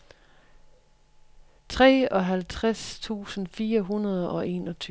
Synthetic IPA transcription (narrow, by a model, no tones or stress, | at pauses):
t͡sʰʁɛ̰ːɒ̽ɦælt͡sʰʁast͡sʰṵːsn̩fiːɐɦunɐð̞ˠɒ̽ʔe̝̰ːnɒt͡sʰy